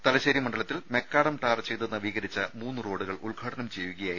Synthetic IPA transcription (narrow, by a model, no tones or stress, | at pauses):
t̪ɐlɐɕeːɾimɐɳɖɐɭɐt̪ːilme̞kːaːɽɐmʈaːrt͡ɕejt̪unːɐʋiːɣɐɾit͡ɕːɐmuːnːuro̞ːɽuɣɐɭʔuɭɡʱaːɽɐnɐmt͡ɕejʋuɣɐjaːji